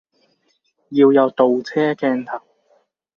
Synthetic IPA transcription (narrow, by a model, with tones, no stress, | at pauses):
jiː˧wjɐ˨˧wt̪o˨wt͡sʰɛː˥kɛː˧nt̪ʰɐ˨k̚